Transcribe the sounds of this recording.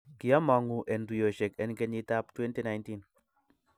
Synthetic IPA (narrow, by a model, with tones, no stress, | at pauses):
ki˨a˦ma˨ŋu˨ʔɛ˨ndu˨jo˨ʃɛ˨kɛ˨nkɛ˦ɲi˦ta˦ptwɛ˦nti˦˨na˨˦jnti˦n